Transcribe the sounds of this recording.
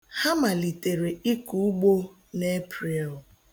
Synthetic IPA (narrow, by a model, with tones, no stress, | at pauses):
ha˦ma˨li˨te˨ɾe˨i˦ku˨u˦ɡ͡bo˦ | ne˦pɾe˨l